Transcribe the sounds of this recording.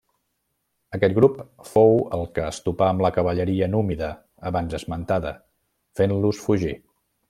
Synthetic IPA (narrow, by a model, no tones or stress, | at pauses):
əkɛt̪̚ɡɾupfowə̰lˠkəːst̪upaəmləkəβəʎəɾiənumiðəː | βanzəzmənt̪aðə̰ | fenlusfuʒi